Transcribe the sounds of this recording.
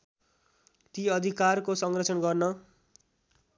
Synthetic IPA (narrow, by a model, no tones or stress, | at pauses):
t̪iʌd̪ʱikarkosʌŋrʌt͡sʰʌnɡʌrnʌ